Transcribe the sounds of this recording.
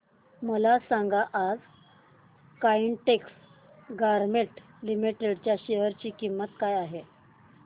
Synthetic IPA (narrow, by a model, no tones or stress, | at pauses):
məlasãŋɡaʔad͡z | kaiɳʈeks | ɡaɾmeʈ | limiʈeɽt͡ɕjaɕeɦəɾt͡ɕiːkimːət̪kajaɦe